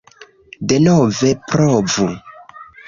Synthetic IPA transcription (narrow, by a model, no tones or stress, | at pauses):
denovepɾovu